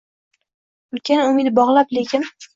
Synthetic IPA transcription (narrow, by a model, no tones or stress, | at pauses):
ʊlkʲʰanʊmɪd̪bɒʁlˠaplekʲʰɪn